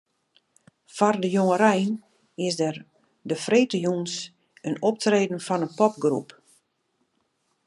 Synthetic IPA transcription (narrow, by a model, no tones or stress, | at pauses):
fɔrdəjoŋəɾɛjn | ɪsdər | dəfreːtəjuns | ənɔp̚treːdən̩fɔnənpɔp̚ɡrup